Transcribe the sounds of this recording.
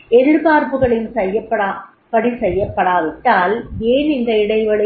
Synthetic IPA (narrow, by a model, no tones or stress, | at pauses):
ɛɾɯɾpaːɾpɯɣɐɭɪnsɛjːɐpːɐɽa | pɐɽisɛjːɐpːɐɽaːʋɪʈːaːleːnɪnd̪ɐɪɽɐɪʋɐɭɐ